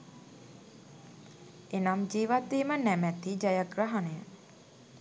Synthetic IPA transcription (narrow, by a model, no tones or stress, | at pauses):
enamd͡ʒiːʋad̪ːeːmənæmɛt̪id͡ʒajaɡraɦanejə